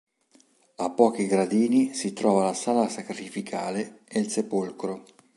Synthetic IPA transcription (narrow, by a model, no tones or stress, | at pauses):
apːɔːk̟iɡɾad̪iːnisit̪ɾɔːvalasaːlasakɾifikʰaːleelsepolkɾo